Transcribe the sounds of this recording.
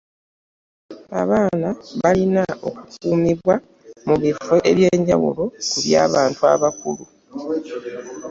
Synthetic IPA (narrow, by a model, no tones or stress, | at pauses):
a̰βaːnaβalinao̞̰kukuːmiβwa | muβifeʔe̞βje̞ːɲɟawṵlo̞kuβja̰ːβaːntua̰βakulu